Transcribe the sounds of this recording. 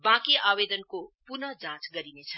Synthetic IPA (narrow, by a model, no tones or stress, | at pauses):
bãkiabed̪ənkopunʌd͡ʒãt͡sɡʌɾinet͡sʰʌ